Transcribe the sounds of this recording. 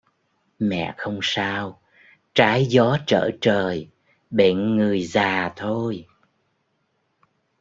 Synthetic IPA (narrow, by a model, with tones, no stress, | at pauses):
mɛ̰˧˨xə˧wŋ͡msaː˧w | t͡ɕaː˨˦jzɔ˨˦t͡ɕə̰ː˧˩t͡ɕəː˨˩j | ɓe˧˨nŋɨ˨˩əjzaː˨˩t̪ʰo˧j